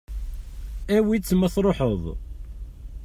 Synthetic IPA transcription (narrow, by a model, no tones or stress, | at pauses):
æwit͡sːmæθɾˤoħəðˤ